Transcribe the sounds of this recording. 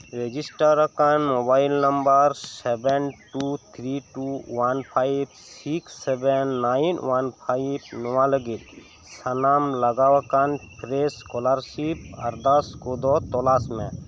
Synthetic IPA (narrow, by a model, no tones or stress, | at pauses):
ɾed͡ʒisʈəɾəkanmobajlnəmbəɾsebɛnʈut̪ʰɾiʈuwanpʰajb | siksːebɛnːajinwanpʰajbnɔʋãləɡil | sənamləɡawakanpɾeskɔlaɾʃipaɾd̪askod̪ɔt̪ɔlasmẽ